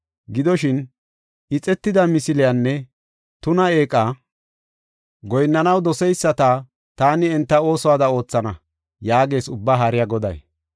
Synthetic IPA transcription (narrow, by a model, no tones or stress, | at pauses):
ɡɪd̪ɔʃɪn | ʔɪt͡sʼɛt̪ːɪd̪ɐmɪsɪlɪjanːɛ | t̪ʊnɐe̞ːkʼːa | ɡɔjnːɐnɐwd̪ɔsɛjsːɐt̪ɐ | t̪aːnɪɛnt̪ːɐo̞ːsɔwaːd̪ɐo̞ːt͡sːɐnɐ | jaːɡe̞ːsʊbːaɦɐɾɪjaɡɔd̪ɐ̰j